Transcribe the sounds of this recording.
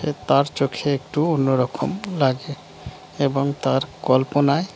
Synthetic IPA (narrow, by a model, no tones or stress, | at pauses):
et̪aɾt͡ʃokʰeek̚ʈuonːoɾɔkʰomlaɡe | eboŋt̪aɾkɔlponae